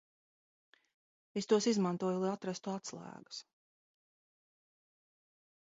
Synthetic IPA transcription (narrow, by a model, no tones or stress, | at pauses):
est̪uɔsizmãnt̪uɔjulˠajat̪ɾast̪uat̪slˠæ̰ːɡḁs